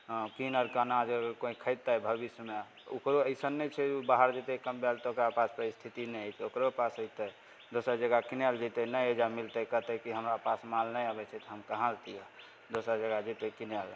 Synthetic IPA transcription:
kinəɾkanad͡ʒəɡəɾkoikʰəj̚t̪ːəbʱəbisjəme | o̰kɾoəsənːɛt͡ʃʰɛubaɦəɾd͡ʒit̪ɛkəmbalt̪ɔokɾapaspəɾist̪ʰit̪inɛəjt͡ʃʰokɾopasəjt̪ə | d̪osəɾd͡ʒəɡakinjald͡ʒit̪ɛnəjed͡ʒamilt̪əkəɦt̪əkiɦəmɾapasmalnəjabɛt͡ʃʰɛt̪ɔɦəmkəɦãlt̪ijɛ | d̪osəɾd͡ʒəɡad͡ʒit̪ɛkinal

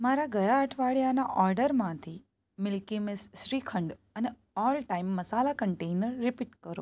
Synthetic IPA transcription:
maɾaɡəjaəʈʰʋaɭjanaʔɔɾɖəɾmãt̪ʰi | mɪlkimɪsːɾikʰəɳɖəne | ɔlʈaimːəsalakəɳʈejnəɾːɪpiʈkəɾo̰

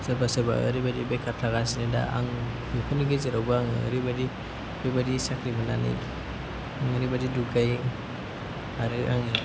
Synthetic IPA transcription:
sɯbasɯba̰ːɾibadibekʰaɾtʰaɡas̬ineda̰ʔa̰ŋ | ɯkʰuniɡezeɾawbaaŋ̰ːɾibadi | ɾibadisakʰɾibɯna̰nḭ | aŋɯɾibadiduɡaj | aɾɯʔa̰ŋi

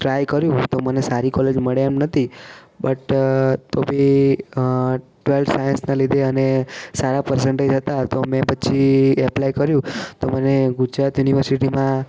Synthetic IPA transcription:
ʈɾajkəɾjũt̪omənesaɾikɔled͡ʒməɭeɛmnət̪ʰi | bəʈt̪obʱi | ʈʋelʈsajənsnalid̪ʱeənesaɾapəɾsəɳʈəd͡ʒɦət̪at̪omɛ̃pət͡ʃʰiɛplajkəɾjũt̪oməneɡud͡ʒɾat̪juniʋəɾsiʈimã

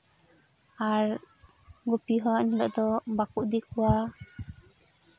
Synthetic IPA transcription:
aɾ | ɡupiɦɔnilɔʔd̪ɔbakuʔd̪ikuwa

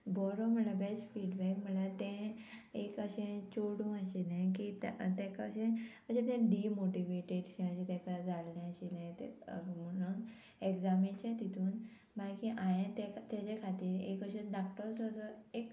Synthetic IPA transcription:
bɔɾɔm̤əlabesfiɽbɛkm̤əlat̪ɛ̃ekəɕẽt͡ɕoɽũəɕinẽkit̪t̪ɛ̃kəɕẽ | əɕẽt̪̬ɛ̃ɖimoʈiʋeʈeɽɕɛ̃əɕẽt̪ɛ̃kad͡zʱalːɛ̃əɕinãjt̪ḛməɽuːn | ekd͡zamĩt͡ɕjat̪it̪ʰuːn | bajkiʔãjẽt̪ɛ̃t̪ad͡ʑekʰat̪iːɾḛkəɕẽɖakʈəɾsɔːsɔek

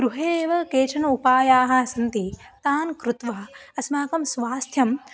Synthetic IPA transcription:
ɡ̥ɾuɦeːʋɐkeːʂɐnɐupaːjaːɦɐɐsɐnt̪i | t̪aːnkɾut̪ʋaːɐɐsmaːkɐmsʋaːst̪ʰjɐm

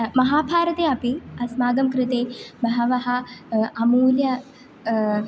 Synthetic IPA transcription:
mɐɦaːbʱaːɾɐt̪eːɐpiɐsmaːɡɐmkɾɪt̪eːmɐɦɐʋɐɦɐ̆ɐmuːljɐ

